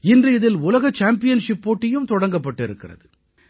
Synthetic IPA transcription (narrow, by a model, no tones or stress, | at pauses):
ɪndrɯɪðɪlʊlɐɣɐt͡ʃːaːmpɪjɐnʂɪpːoːʈːɐjɯmt̪ɔɽɐŋɡɐpːɐʈːɪɾɯkːɪrɐ̰ðɯ